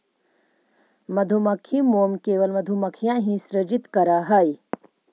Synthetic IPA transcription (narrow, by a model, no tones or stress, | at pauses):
mɐd̪ʱumɐkʰimoːmkeːʋəlmɐd̪ʱumɐkʰjãːɦĩsɾəd͡ʒit̪kɐɾaɦɐj